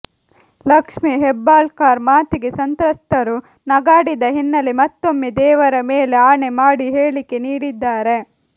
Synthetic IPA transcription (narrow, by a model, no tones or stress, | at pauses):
lɐkʂmiɦɛbːaːlkaːɾmaːt̪iɡesɐnt̪ɾɐst̪ɐɾu | nɐɡaːɽid̪ɐɦinːɐlemɐt̪ːo̞mːid̪ɛːʋɐɾɐmeːleaːɳemaːɽiɦeːɭike̞niːɽid̪ːaːɾe̞